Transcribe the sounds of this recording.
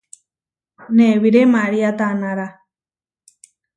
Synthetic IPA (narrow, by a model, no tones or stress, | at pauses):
neβiɾemaɾiat̪anãɾa